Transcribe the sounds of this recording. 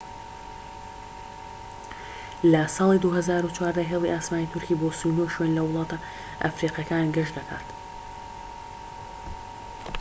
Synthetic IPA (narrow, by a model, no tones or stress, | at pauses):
lɐsɑːlˠid̪uhɐzaːɾut͡ʃʰwaːɾd̪ɐɦelˠiʔaːsmaːniːt̪ʰʊɾciːboːsunoːʃwenlɐwʊlˠɑːt̪ʰɐ | ʔa̰fɾiːqjɐkaːnɡɐʃd̪ɐkʰa̰ːt̪